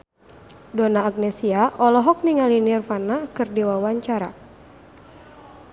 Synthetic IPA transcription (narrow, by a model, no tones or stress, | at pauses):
dɔnaːɡ̚nɛsiaʔɔlɔɦɔk̚niŋalinirfanakɨrdiwawaɲt͡ʃaɾa̰